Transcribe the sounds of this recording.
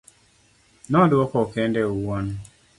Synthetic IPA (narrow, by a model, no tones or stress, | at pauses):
nɔdwɔkɔkɛndɛuwɔn